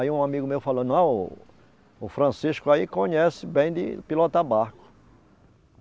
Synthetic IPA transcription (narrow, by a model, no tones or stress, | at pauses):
iũamiɡʊmewfalõnɐ̃w̃ | ʊfɾɐ̃siʃkʊaikõɲɛsɪbẽj̃d̪ɪ̰pilɔt̪abahkʊ̥